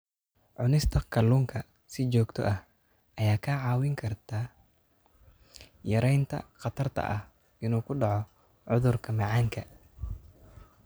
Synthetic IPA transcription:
ʕʊnɪst̪ʰɐkʰɐluːŋkʰɐ | sɪt͡ʃɔːɡt̪ʰɔ̰ʔɐh | ʔɐjaːkʰaʕɑːwɪŋkʰɐrt̪ʰaː | jɐɾɛjnt̪ʰɐ̰qɑt̪ʰɐrt̪ʰɐ̰ʔɐh | ʔɪnuːkʰʊɖɑʕɔ | ʕʊðʊrkʰɐmɑʕɑːŋkʰɐ

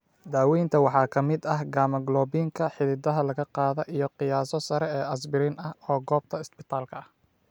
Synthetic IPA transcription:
d̪aːwɛjnt̪ʰɐwɑħɑːkʰɐmɪd̪ɐhɡaːmɐɡlɔːbiːŋkʰɐħɪðɪd̪ɐɦɐlɐɣɐqɑːðɔʔijɔqɪjaːsɔsɐɾɛɛːɐsbɪɾiːnɐhɔːɡɔːb̚t̪ʰɐɪsbɪt̪ʰaːlkʰɐɐh

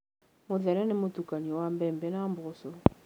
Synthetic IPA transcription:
muðɛɾɛnemutukaniɔwambɛːmbɛnambuɣosɔ

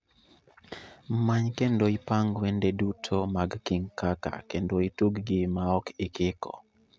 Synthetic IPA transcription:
mmaɲkendoipaŋɡwɛndedutʰomaɡkiŋkaka̰kendoituɡɡɪmaɔkɪkɪkɔ̰

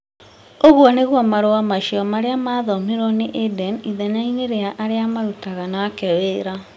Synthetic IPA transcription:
oɣwɔneɣwɔmaɾowamaʃiɔmaɾeamaðɔmiɾɔneʔedɛniðɛɲaineɾeaʔaɾeamaɾutaɣanakɛweːɾa

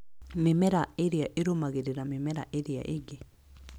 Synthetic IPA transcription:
memɛɾaeɾiaʔeɾomaɣeɾeɾamemɛɾa̰ʔeɾia̰ʔeɡe

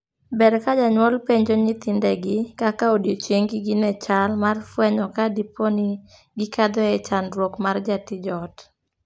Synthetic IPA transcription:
bɛɾkad͡ʒaɲwɔlpeɲd͡ʒɔɲɪt̪ɪndɛɡɪkakaodjot͡ʃeŋɡɪɡɪnɛt͡ʃalmarfwɛɲɔkadipɔni | ɡɪkad̪ɔɛt͡ʃanɾwokmard͡ʒatɪd͡ʒɔt

